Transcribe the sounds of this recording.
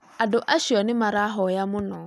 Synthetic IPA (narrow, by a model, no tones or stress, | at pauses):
adʊʔaʃiɔnɪmaɾaɦɔjamʊ̃nɔ̃